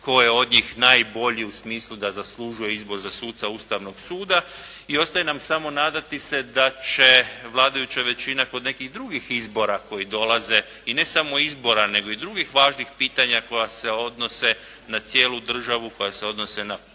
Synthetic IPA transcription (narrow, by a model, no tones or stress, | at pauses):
ko̞jeo̞d̪ɲiːxnaːjbo̞ʎiusmiːslˠud̪azaslˠuʒuje̞izbo̞ɾzasuːt̪t̪sauːst̪aʋno̞ɡsuːd̪a | io̞st̪ajenamsamo̞naːd̪at̪ise̞d̪at͡ʃe̞ʋlˠaːd̪ajut͡ɕaʋe̞t͡ɕinako̞d̪ne̞kiɣd̪ɾuɡixizbo̞ɾako̞jid̪o̞lˠaze̞ | ine̞samo̞izbo̞ɾane̞ɡo̞id̪ɾuɡixʋaːʒnixpiːt̪aɲako̞jase̞o̞d̪no̞se̞ | nat̪sje̞ːlˠud̪r̩ʒaʋuko̞jase̞o̞d̪no̞se̞na